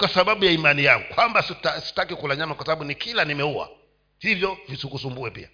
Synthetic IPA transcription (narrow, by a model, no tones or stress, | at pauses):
kwasaɓaɓujaimanijaŋɡukwambasitasi̥takikulaɲanakwasaɓaɓunikilanimɛua̰ | sivjɔvisikusumbuɛpḭa